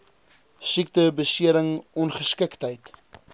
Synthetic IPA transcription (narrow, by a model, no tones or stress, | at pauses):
sik̚təbəsiəɾəŋɔnχəskəktɦəjt